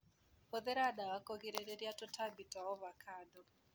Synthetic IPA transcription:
oðeɾadawakoɡiɾeɾeɾjatotʰabitaɔβakʰadɔ

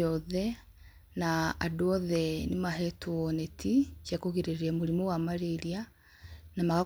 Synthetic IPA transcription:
ɔðɛ | naadoɔðɛnimaɦɛtuɔnɛtʰit͡ʃjakoɣiɾeɾiɛmoɾimowamaɾeɾia | namaɣa

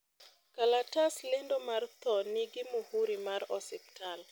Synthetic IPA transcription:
kalataslɪndomart̪ɔnɪɡɪmohuɾimarɔsɪp̚tal

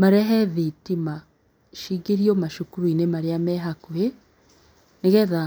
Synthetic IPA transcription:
maɾɛɦɛðitima | ʃiɡiɾiomaʃukuɾuinemaɾeamɛɦakue | neɣɛða

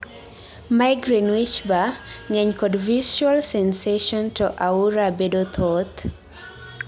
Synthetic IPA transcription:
majɡɾinwit͡ʃbaŋɛɲkɔdviswalsɛnseʃɔntuʔauɾabedot̪ʰot̪

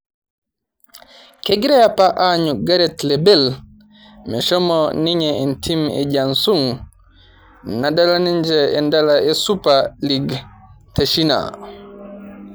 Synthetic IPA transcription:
keɡiɾɛjapaʔaɲuɡaɾɛtlɛbɛl | mɛʃɔmɔniɲɛɛntʰimɛ̰ɟansuŋ | nadalaniɲd͡ʒɛɛndalaɛsupaliɡtaʃina̰

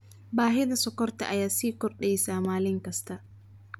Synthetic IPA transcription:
baːɦɪd̪ɐsɔkɔɾt̪a̰ʔajaːsiːkɔɾɗɛjsaːmaːlɪŋkɐst̪a

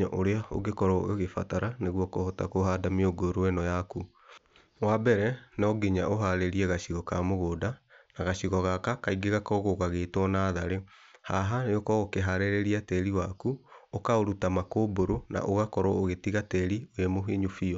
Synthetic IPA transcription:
aʔoɾeao̰ɣekɔɾɔ̰eɣefa̰taɾaneɣwɔkohɔtakoɦadamioɡoɾoɛnɔjaku | wabɛɾɛnɔɡeɲaʔoɦaɾeɾiɛɣaɕiɣɔkamoɣoːdanaɣaɕiɣɔɣakakaiɡeɣakɔɣoɣaɣetwɔnaːðaɾe | haɦajokɔokeɦaɾeɾeɾiatɛɾiwakuokaoɾutamakoboɾona̰ʔoɣakɔɾɔoɣetiɣatɛɾiojemoɦiɲufiɔ

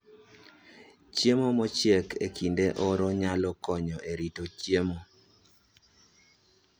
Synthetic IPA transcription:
t͡ʃjemomɔt͡ʃjekekʰindeʔoɾɔɲalɔkɔɲɔʔeɾitot͡ʃjemo

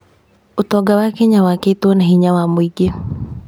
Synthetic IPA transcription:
ʊt̪ɔɡawakeɲawaket̪onaɦiɲawamwiɡe

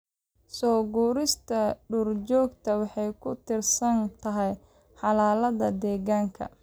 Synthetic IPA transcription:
sɔːɡuːɾɪst̪ʰɐɖurt͡ʃɔːɡt̪ʰɐwɑħɑjkʰʊt̪ʰɪrsɐnt̪ʰɐɦɛj | ħɑlaːlɐðɐd̪ɛːɣaːŋkʰɐ̰

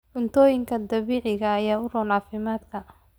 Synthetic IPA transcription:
ʕʊnt̪ʰɔːjɪŋkʰɐd̪ɐβiːʕɪɣɐːjaːʊrɔːnʕaːfɪmaːd̪kʰɐ

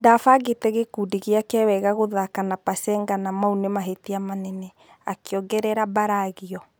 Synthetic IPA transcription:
dafaɡetɛɣekudiɣeakɛwɛɣaɣoðakanapasɛŋɡanamaunemaɦetiamanɛnɛ | akeɔɡɛɾɛɾabaɾaɣiɔ

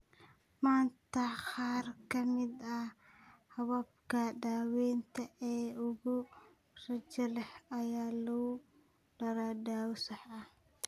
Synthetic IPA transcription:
maːnt̪ʰɐqɑːrkʰɐmɪd̪ɐ | hɐβɐb̚kʰɐdaːwɛːnt̪ʰɐʔɛːʊɣʊ | rɐd͡ʒɐlɛħɐjaːlɔ | ɖɐɾadaːwsɐħɐ

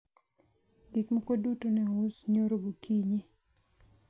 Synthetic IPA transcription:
dikmakodutonɛusɲoɾobukʰiɲi

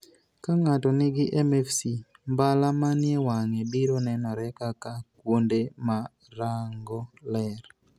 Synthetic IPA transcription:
kaŋatɔnɪɡɪʔɛmɛfsi | mbalamanjɛwaŋebiɾonɛnɔɾɛkakakwondema | ɾaŋɡɔlɛr

